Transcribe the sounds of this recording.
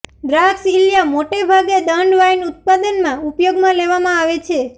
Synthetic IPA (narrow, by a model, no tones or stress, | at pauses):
ɖɾaksiljamoʈebʱaɡed̪əɳɖʋajnut̪̚pad̪ənmãupjoɡmãleʋamãaʋet͡ʃʰe